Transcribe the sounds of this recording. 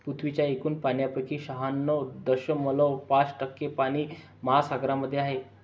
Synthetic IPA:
put̪ʰʋit͡ɕjaekuːnpaɳjapɾəkʰiːɕəɦanːɔd̪əɕəməlɔpat͡sʈəkːepaɽ̃iː | məɦasaɡɾaməd̪ʱːjeaɦe

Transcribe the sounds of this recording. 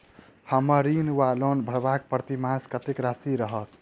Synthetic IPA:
həməɾinwalonbʱəɽbak̚pɾət̪imaskət̪ekɾasiɾəɦət̪

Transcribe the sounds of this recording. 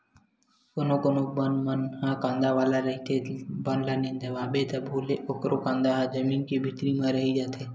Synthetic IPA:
koːnoːkoːnoːk̚bənmənhãːkãːnd̪aːʋaːlaːɾəɦit̪ʰeːbənlənĩːnd̪eʋãːɓeːt̪əbʱoːleːʔokɾoːkãːnd̪aːɦd͡ʒəmiːnkibʱit̪ɾiːmãːɾəɦiːd͡ʒaːt̪ʰeː

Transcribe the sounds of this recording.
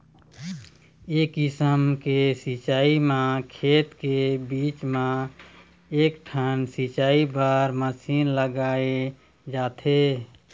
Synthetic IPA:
eːkɪsəmkesit͡ʃaːimãkʰeːt̪kebiːt͡ʃmã | eːkʈʰənsit͡ʃaːibəɾməsiːnləɡaːe | d͡ʒaːt̪ʰe

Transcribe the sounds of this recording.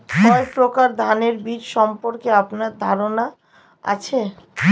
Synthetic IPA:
kɔepɾokaɾd̪ʱaneɾbiɾʃɔmpoɾkeapnaɾd̪ʱaɾona | a̰t͡ɕʰe

